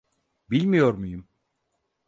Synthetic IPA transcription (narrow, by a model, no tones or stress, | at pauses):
bilʲmijo̞ɾmujum